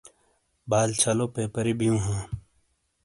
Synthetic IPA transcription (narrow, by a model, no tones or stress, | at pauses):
baːlt͡ɕʰɐloːpeːpəɾibijũːɦãː